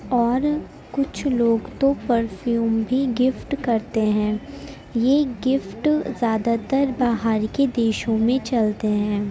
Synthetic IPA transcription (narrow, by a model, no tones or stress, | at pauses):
ɔːɾ | kʊt͡ʃʰloːɡt̪opɐɾfjuːmbʱiɡɪfʈkɐɾt̪eɦɛ̃ː | jeɡɪfʈzjaːd̪at̪əɾbaːɦaɾked̪eːʃõmẽt͡ʃɐlt̪eɦɛ̃ː